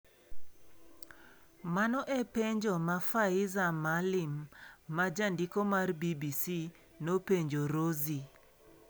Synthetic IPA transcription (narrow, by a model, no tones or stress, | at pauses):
manɔʔɛpeɲd͡ʒomafaɪzamalɪmːad͡ʒandikomarbibisi | nopeɲd͡ʒoɾozi